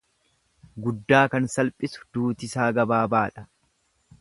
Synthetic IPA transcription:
ɡʊd̪ːaːkɐnsɐlpʼɪsʊ̥d̪̥uːt̪ɪsaːɡɐbaːbaːᶑɐ

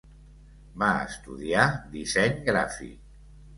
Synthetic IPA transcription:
baə̰st̪uðiad̪izɛɲɡɾafḭk

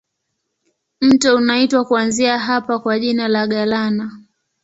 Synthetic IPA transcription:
m̩tɔunaitwakuanziaɦapakwaʄinalaɠalana

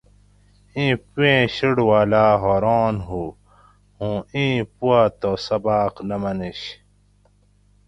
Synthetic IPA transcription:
ĩːpuẽɕiɽwaːlaːɦoːɾoːnɦu | hũːĩːpuaːt̪osɐbaːqnɐmɐniɕ

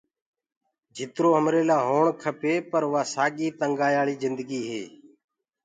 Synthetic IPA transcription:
d͡ʒʱɪt̪ɾoːəmɾeːlaːɦoːɳkʰəpeːpəɾʊʋaːsaːɠiːt̪əŋɡaːjaːɭiːzɪnd̪əɡiːɦḛː

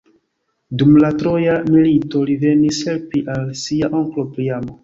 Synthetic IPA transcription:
dumlatɾo̞jamilito̞live̞nishe̞lpiʔalsiaʔo̞ŋklo̞pɾiamo̞

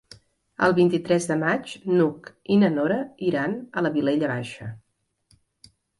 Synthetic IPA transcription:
ə̰lˠβint̪it̪ɾɛzðəmat͡ʃnuk | inənoɾəiɾanələβileʎəβaʃə

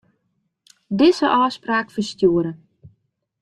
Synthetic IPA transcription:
dɪzəʔɔːspraːkfərstjuəɾə

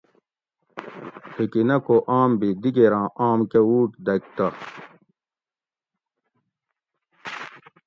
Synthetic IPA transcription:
pʰikinɐkoʔaːmbid̪iɡeɾãːʔaːmkeuːʈd̪ɐk̚t̪ɐ

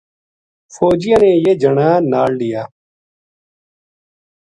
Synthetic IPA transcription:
fʰoːd͡ʒɪjãːneːjeːd͡ʒəɳãːnaːlɖɪjaː

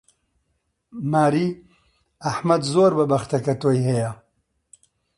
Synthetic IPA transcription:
maːɾiː | ɐħmɐd̪zoːɾbɐbɐxt̪ɐkɐt̪oːjhɐjɐ

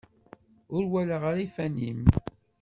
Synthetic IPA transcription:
ʊɾwæləʁəɾifænim

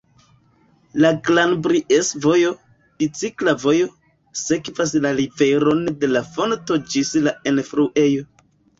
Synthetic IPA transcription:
laɡlanbɾiʔesvo̞jo̞ | d̥it͡siklavo̞jo̞ | se̞kvas̬lalive̞ɾo̞nde̞lafo̞nto̞d͡ʒislaenfɾuʔe̞jo̞

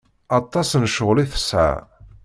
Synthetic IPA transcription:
ɑt̪ˤːɑsnʃəʁliθə̥sʕa̰

